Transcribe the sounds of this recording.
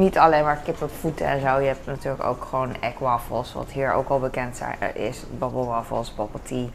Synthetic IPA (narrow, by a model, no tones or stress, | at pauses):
nitʰɑlejnmaːɹkɪpəpfutəɛ̰nzowjəɦɛp̚tnatyːɹləko̰wkχəʋownɛkʋaːfɔ̰lˠsʋɑ̰tɦiːɹo̰wkɑlˠbəkɛntsɛ̰ɪ̰sbɔblˠʋafɔ̰lˠsbɔbəlˠtʰi